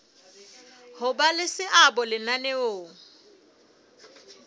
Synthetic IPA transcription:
hʊbalɪsɪʔabɔlɪnaneoːŋ̩

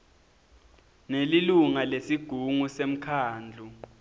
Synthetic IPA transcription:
neliluŋalesiɡ̥ʱuŋusem̩kʰaːnd͡ɮʱu

